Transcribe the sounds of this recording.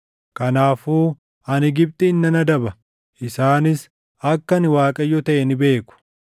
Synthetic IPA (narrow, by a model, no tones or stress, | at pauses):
kɐnaːfuː | ɐnɪɡɪb̚t̪ɪːnːɐnɐd̪ɐbɐ | ʔɪsaːnɪs | ɐkːɐnɪwaːkʼɐjːɔt̪ɐʔɛnɪbe̞ːkʊ̥